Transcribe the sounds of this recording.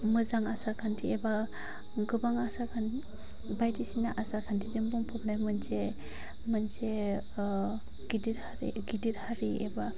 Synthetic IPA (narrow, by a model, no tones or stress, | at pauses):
mɯzaŋasakʰantʰieba | ɡɯbaŋasakʰan | bajdisina̰ʔasakʰantʰizɯmbɔŋpʰɔpnajmɯnse | mɯnse | ɡidit̚haɾḭɡidit̚haɾieba